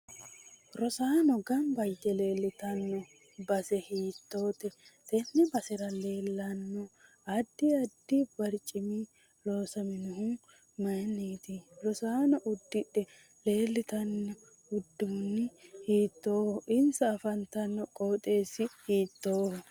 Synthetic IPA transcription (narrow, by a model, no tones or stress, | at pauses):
ɾɔsaːnɔɡɐmbɐjd̪ɛle̞ːlːɪt̪ɐnːɔ | bɐsɛhiːt̪ːo̞ːt̪ɛt̪ɛnːɛbɐsɪɾɐle̞ːlːɐnːɔ | ɐd̪ːɪɐd̪ːib̥ɐɾt͡ʃʼɪmi | loːsɐmɪnʊhʊ | mɐniːt̪ɪɾɔsaːnɔʔʊd̪ːɪᶑɛ | le̞ːlːɪt̪ɐnːɔ | ʊd̪ːʊnːɪhiːt̪ːo̞ːhɔʔɪnsɐːfɐnt̪ːɐnːɔkʼoːt̪ʼe̞ːsɪhiːt̪ːo̞ːhɔ